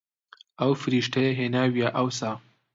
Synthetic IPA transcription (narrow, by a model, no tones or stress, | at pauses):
awfɾiʂʈeɦenawjaʔawsa